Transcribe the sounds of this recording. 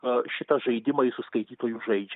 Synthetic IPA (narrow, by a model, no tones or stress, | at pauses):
ʃʲɪt̪ɐʒɐɪd̪ʲɪmɐɪsʊskɐɪt̪ʲiːt̪oːjuʒɐɪd͡ʒʲ